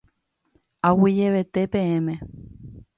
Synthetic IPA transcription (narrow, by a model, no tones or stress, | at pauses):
awid͡ʒeʋe̞t̪epẽẽmẽ